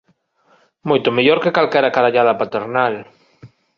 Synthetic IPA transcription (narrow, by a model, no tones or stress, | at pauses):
mojt̪omeʎoɾkekalkɛɾakaðaʎaðɐpat̪eɾnal